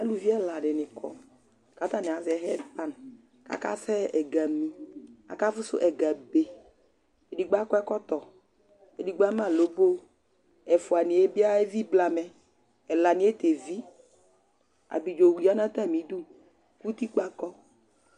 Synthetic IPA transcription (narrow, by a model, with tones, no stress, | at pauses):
a˦lu˨vi˦ɛ˦la˨ɖɪ˨nɪ̃˨kʰɔ̰˨ | ka˨˦t̪a˦nɪ̃˨a˨zɛ˨˦ɦɛ˦pa˦n˨ | ka̰˨˦ka̰˦sɛ˦ɛ˨ɡa˨mĩ˨a̰˨ka˦vʊ˦sʊ̰˦ʔɛ˨ɡa˨be˨ | e˨di˨ɡ͡ba˦kɔ˦ɛ˦kɔ˦t̪ɔ˨ | e˨di˨ɡ͡ba˦mã˦˨lo˨˦bo˦ | ɛ˨fʊ˨a˨nɪ̃˨e˦bi˦a˦e˦vi˦bla˨mɛ˨ | ɛ˨la˨nɪ̃˨˦e˦t̪e˨vi˦ | a̰˨bi˨d͡ʒo˨wi˨a˦nã˦t̪a˦˨mĩ˨˦du˦ | ku˦t̪i˦k͡pa˦kɔ˦